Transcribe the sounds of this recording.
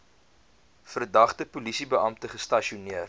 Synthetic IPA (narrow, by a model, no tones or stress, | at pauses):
fərdɐχtəpulisibəɐmtəχəstɐʃiuniər